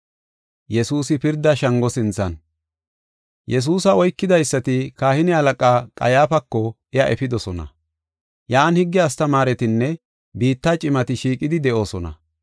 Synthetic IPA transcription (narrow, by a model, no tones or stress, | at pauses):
jɛsuːsɪpɪɾd̪ːɐʃɐŋɡɔsɪnt͡sːɐ̰n | jɛs̬uːsɐɔjkːɪd̪ɐjsːɐt̪ɪkaːhɪnɪɐlɐkʼaːkʼɐ̰jaːfɐkːɔʔɪɐʔɛfɪd̪ɔsɔnɐ̰ | jaːnhɪɡːɪɐst̪ɐmaːɾɛt̪ɪnːɛ | biːt̪ːaːt͡ʃʼɪmɐt̪ɪʃiːkʼɪd̪ɪd̪ɛʔo̞ːsɔnɐ̰